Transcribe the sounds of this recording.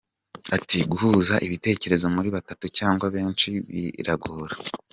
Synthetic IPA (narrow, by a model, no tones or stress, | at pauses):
atiɡuhuzaʔiβite̞ːce̞ɾe̞zo̞muɾiβatatucaːŋɡwaβe̞ːnt͡ʃiβḭɾaɡuːɾa